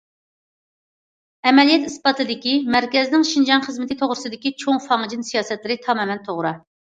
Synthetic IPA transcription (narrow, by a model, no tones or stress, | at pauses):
ɛmɛlijɛt̪ispɑt̪ʰɨd̪ɪkʲimæɾkʲɛznɪŋʃind͡ʒɑnχəzmɪt̪ʰɪt̪ʰoʁɾɨsɨd̪ɪkʲit͡ʃʰoŋfɑŋd͡ʒinsijɑːsɛt̪lɪɾɪt̪ʰɑmɑmɛnt̪ʰoʁɾɑ